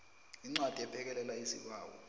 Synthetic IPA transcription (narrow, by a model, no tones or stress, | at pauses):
iŋ͡ǀwad̥ʱɛpʰɛk̬ɛlɛlaisik̬wa̰ːwɔ̰